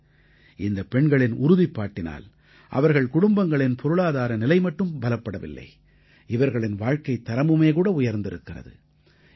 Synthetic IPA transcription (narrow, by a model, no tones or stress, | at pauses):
ɪnd̪ɐpɛɳɡɐɭɪnʊɾʊðɪpːaːʈːɪna̰ːl | ʔɐ̰ʋɐɾɣɐɭkʊɽʊmbɐŋɡɐɭɪnpʰɔɾɯɭaːðaːɾɐnɪlɐɪmɐʈːɯmbɐlɐpːɐɽɐʋɪ̰lːɐ̰ɪ | ɪʋɐɾɣɐɭɪnʋaːɻkɐɪt̪ːɐɾɐmɯmeːk̬uːɽɐʊjɐɾnd̪ɪɾɯkːɪrɐ̰ðɯ̰